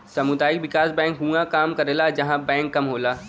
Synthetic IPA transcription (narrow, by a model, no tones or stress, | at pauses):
sɐmʊd̪aːjɪkwɪkaːsbɛ̃ːŋkɦũãkaːmkɐɾeːlad͡ʒɐɦãbɛ̃ːŋkːɐmɦoːlaː